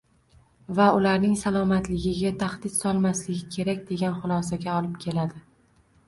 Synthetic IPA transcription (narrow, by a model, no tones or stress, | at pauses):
vaʊlaɾnɪŋsalˠɒmat̪lɪɡʲɪɡʲat̪ʰaχd̪ɪt̪sɒlˠmaslɪɡʲɪkʲʰe̞ɾak̚ʲd̪e̞ɡʲanχʊlˠɒsaɡʲaɒlˠɪp̚kʲʰe̞lad̪ɪ